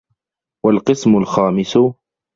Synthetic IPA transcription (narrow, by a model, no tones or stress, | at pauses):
walqɨsmʊlxaːmɪsʊ